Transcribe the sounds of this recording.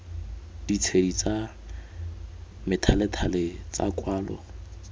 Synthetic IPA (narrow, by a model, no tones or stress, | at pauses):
d̥it͡sʰedit͡sʼa | mɪtʰalɪtʰalɪt͡sʼa̰kʼwaːlɔ̰